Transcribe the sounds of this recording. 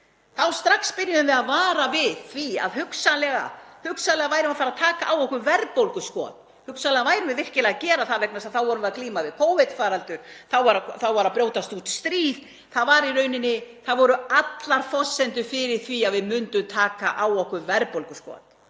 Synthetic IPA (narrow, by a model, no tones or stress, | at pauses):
θawst̪ɾaxspɪɾjʏðʏvɪðaðvaːɾavɪðθvia̰ðɦʏksalɛɣa̰hʏksalɛɣavaːjɾɪmafaɾaðt̪ʰaːkaʔawɔhkʏvɛɾpowlkʏskɔːt̪ | hʏksalɛɣavaːjɾɪvɪðɛr̥cɪlɛaɣcɛːɾaθaðvɛk̚nasaðθawvɔɾʏmvɛðakliːmavɪðkʰoːwvɪt̪faːɾalt̪ʏɾ̥θawvaɾaθawvaɾapɾjowt̪ast̪ut̪st̪ɾiːð | θaðvaɾiɾœːɥnɪnːɪθaðvɔɾʏat̪laɾ̥fɔsːɛnt̪ʏfɪɾɪɾ̥θviaðvɪðmʏnt̪ʏmt̪ʰaːkaʔawɔhkʏɾvɛɾpowlkʏskɔ̰t̪